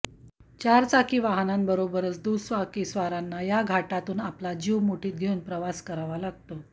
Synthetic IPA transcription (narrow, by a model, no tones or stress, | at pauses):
t͡ɕaɾt͡sakiːʋaɦnambəɾobəɾət͡sd̪usʋakiːsʋaɾanːajaɡʱaʈat̪uːnaplad͡ʑiwmoʈiːt̪̚ɡʱeuːnpɾəʋaskəɾaʋalaɡ̚t̪o